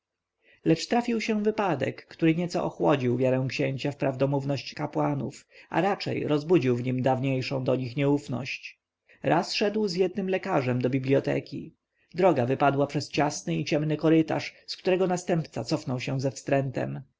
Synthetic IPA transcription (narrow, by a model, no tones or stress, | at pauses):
lɛt͡ʂt̪ɾafʲiwɕɛvɘpad̪ɛ̰kːt̪uɾɘɲɛt̪sɔ̰ʔɔxwɔd͡ʑiwvʲjaɾɛ̃w̃kɕeɲt͡ɕafpɾavd̪ɔmuvnɔɕt͡ɕkapwanṵfʔa̰ɾat͡ʂɛ̰jɾɔzbud͡ʑiwvɲimd̪avɲejʂɔ̰̃w̃d̪ɔɲixɲɛufnɔ̰ɕt͡ɕ | ɾʔasʂɛd̪wzjɛd̪̚nɘmlɛkaʐɛmd̪ɔbʲiblʲiɔt̪ɛ̰kʲḭ | d̪ɾɔɡavɘpad̪wapʂɛst͡ɕasnɘit͡ɕɛmnɘkɔɾɘt̪a̰ʂskt̪uɾɛɡɔnast̪ɛmpt̪sat̪sɔfnɔwɕɛ̃zɛfst̪ɾɛnt̪ɛ̰m